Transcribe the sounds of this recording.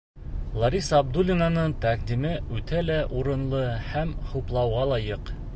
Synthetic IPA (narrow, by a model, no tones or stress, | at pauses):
lˠɑɾʲisːb̚d̪ulʲinanɤɴt̪ɑqd̪imɘʉt̪ælæʔuɾɤ̆nlˠɤhæmhuplˠɑwʁɑlˠɑjɤq